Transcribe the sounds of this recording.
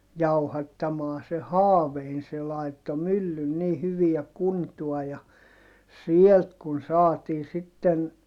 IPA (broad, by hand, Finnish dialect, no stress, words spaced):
jɑuhɑtːɑmɑː se hɑːʋein se lɑitːo mylːyn ni hyʋiæ kuntuɑ jɑ sielt kun sɑːtiː sitːen